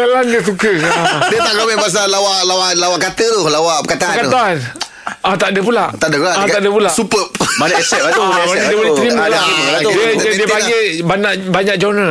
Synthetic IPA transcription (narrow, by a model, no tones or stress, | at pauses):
alandiəs̬ukəadət̪akamipas̬alawaʔlawaʔlawaʔkat̪ət̪ʊlawaʔpəkat̪aəakat̪aan | at̪aʔdəp̬ulaʔt̪adəpulaat̪aʔdəpulasupəpbanaɛsɛt̪̚aaadiəbəlet̪ɾimalaiməadiəadiəpaɡɡebaɲaʔbaɲak̚d͡ʒonə